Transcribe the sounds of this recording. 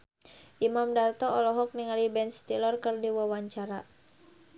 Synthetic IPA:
ʔimamdart̪ɔɔlɔɦɔk̚niŋalibɛnst̪ilɔrkərdiwɔwaɲt͡ʃaɾa

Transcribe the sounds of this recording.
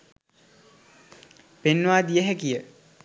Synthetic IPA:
penːʋaːd̪ijəɦækijə

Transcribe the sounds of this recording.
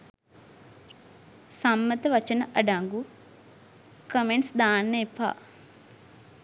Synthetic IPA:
samːət̪əʋɐt͡ʃənəʔɐɖaŋɡu | kəmeɳsd̪aːnːəepa̰ː

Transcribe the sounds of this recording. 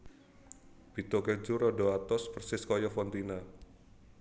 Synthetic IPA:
b̥i̤t̪oked͡ʒuɾɔdoat̪ɔsb̥ərsɪskɔjɔfɔnt̪ina

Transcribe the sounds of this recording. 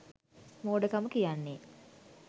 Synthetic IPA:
moːɖəkamukijanːe

